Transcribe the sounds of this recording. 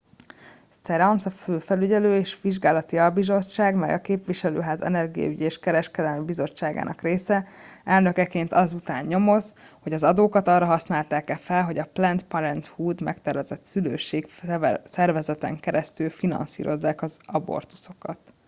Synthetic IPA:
st̪ɛɾɒnsɒføːfɛlyɟɛløːeːʃʋiʒɡaːlɒt̪iɒbizo̞t͡ʃːaːɡmɛ̰jɒkeːpʋiʃɛlø̰ːɦaːzɛ̰nɛrɡijɒ̰yɟeːʃkɛɾɛʃkɛd̪ɛlmibizo̞t͡ʃːaːɡa̰ːnɒ̰kreːsɛɛlnø̞kɛkeːnt̪ɒzut̪aːɲɲo̞mo̞z | ho̞ɟɒzɒd̪oːkɒt̪ɒrːɒɦɒsnaːlt̪aːkɛfɛlɦo̞ɟɒplɛnt̪pɒɾɛnt̪huːd̪mɛ̰kt̪ɛɾvɛzɛt̪sylø̰ːʃeːksɛrvɛzɛt̪ɛ̰ŋkɛɾɛst̪ylfinɒ̰nsḭːɾʔo̞̰zːaːkɒzɒbo̰rt̪u̥so̞kɒt̪

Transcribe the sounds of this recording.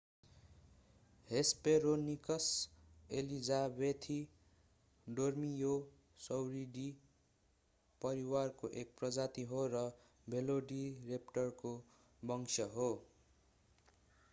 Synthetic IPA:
hespeɾonikʌselid͡zabet̪ʰi | ɖormijo | sʌwɾiɖi | pʌɾiwarkoʔek̚prʌd͡zat̪iɦorʌ | bʱeloɖirepʈʌrko | bʌŋsʰʌɦo

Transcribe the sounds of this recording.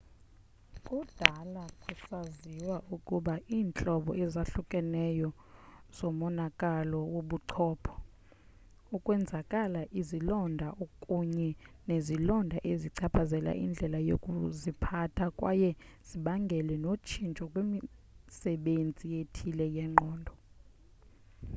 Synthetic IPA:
kʼud̥ʱalakʼusaziwaʔukʼuɓaʔiːnt͡ɬʼɔɓɔ̰ʔɛzaɬukʼɛnɛjɔ | z̥ɔmɔnakʼalɔwoɓuǀʰɔːpʰɔ̥ | ukʼwɛnd͡zʱakʼalaʔizilɔndʱaʔokʼuɲɛnezilɔndʱaʔeziǀʰapʰazɛla̰ʔḭnd͡ɮʱɛlajo̰kʼuzipʰatʰakʼwa̰jɛz̥iɓaŋɡʱɛlɛnot͡ʃʰint͡ʃʼɔkʼwemisɛɓend͡zʱijetʰilɛjɛŋ͡ǃʱɔːndʱɔ

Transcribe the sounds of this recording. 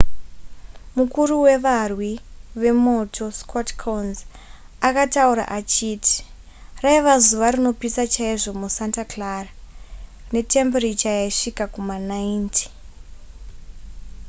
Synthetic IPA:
mukuruwe̞ʋarwiʋe̞mo̞tʰo̞skotkʰonz | akatauɾa̰ʔat͡ʃiːtʰi̥ | raiʋazuʋaɾino̞pisat͡ʃaiʐo̞musantaklara | ne̞te̞mberit͡ʃajaiʂikakumanaintʰi̥

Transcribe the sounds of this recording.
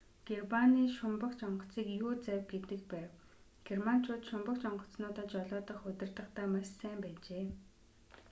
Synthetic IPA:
ɡ̥ermaniːʃʊmpə̆kt͡ɕɔɴɢɞ̆t͡siːkjuːt͡sæwʲɡet̪ɘ̆k̚pæːw | ɡ̥erman̥t͡ɕʰʊːt̪ʃʊmpə̆kt͡ɕɔɴɢɞ̆t͡snʊːt̪ə̆ːt͡ɕɔɮɔːt̪ɞ̆χɵt̪ɪ̆rt̪ə̆χt̪æːmassæːmpæːt͡ɕeː

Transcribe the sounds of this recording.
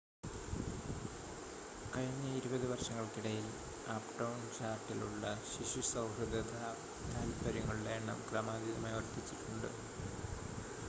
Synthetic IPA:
kɐɻiɲːɐiɾubɐðɨʋɐrʂɐŋːɐɭkiɽɐjil | aːpɖɐwnt͡ɕaːrʈːiluɭːɐɕiɕusɐwhɐd̪ɐd̪ʱa | t̪aːlpɐɾɐŋːɐɭɽeːɳːɐ̰mkrɐmaːd̪iðɐmɐjʋɐrt̪it͡ɕːiʈːuɳɖɨ̰

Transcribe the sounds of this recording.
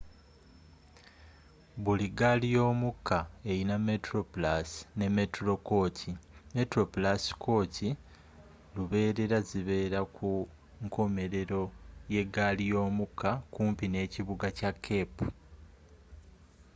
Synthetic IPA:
βuliɡalijo̞ːmukʰːae̞iname̞tɾoplasne̞me̞tɾo̞koːtʰime̞tɾo̞pulasi̥kʰo̞ːtʰi | luβe̞ːɾe̞ɾaziβe̞ːɾaku | ŋkʰo̞me̞ɾe̞ɾo̞je̞ɡalijo̞ːmukʰːakuːmpine̞ːciβuɡacakʰːe̞pu̥

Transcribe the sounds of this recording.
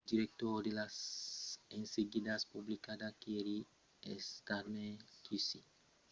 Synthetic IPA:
diɾɛk̚t̪ɔrdelas | ɛnseɡidaspublikadakeɾi | ɛskarmɛkʰisi

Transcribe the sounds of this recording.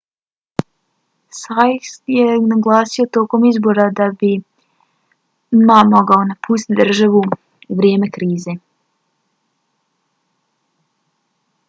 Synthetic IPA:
sajsjenaɡlˠaːsio̞t̪o̞ko̞mizbo̞ɾad̪abi | mamo̞ɡaonapʰuːst̪it̪d̪r̩ʒaʋu | uʋɾje̞ːme̞kɾiːze̞

